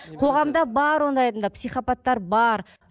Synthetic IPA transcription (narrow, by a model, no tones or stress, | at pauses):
qʰo̞ʁɑmd̪ɑbɑɾwo̞nd̪ɑjɑt̪ənd̪ɑpsijχapɑt̪ːɑɾbɑɾ